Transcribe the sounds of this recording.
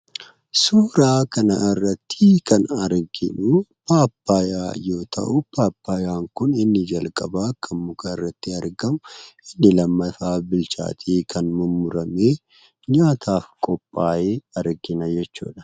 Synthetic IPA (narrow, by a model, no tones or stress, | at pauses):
suːɾaːkɐnɐ̰ɪrːɐt̪ːɪkɐnɐɾɡɪᶑʊpaːpːaːjaːjo̞ːt̪ʰɐ̰ʔʊpaːpːaːjaːŋkʊnɪnːɪd͡ʒɐlkʼɐbaːkːɐmːʊkaɪrːɐt̪ːɪɐɾɡɐmʊʔɪnːɪlɐmːɐfaːbɪlt͡ʃa̰ːt̪ʰiːkʰɐnmʊmːʊɾɐme̞ː | ɲaːt̪ʰaːfkʼɔpʼːaːeːɐɾɡɪnɐd͡ʒɛt͡ʃːṵːᶑɐ̥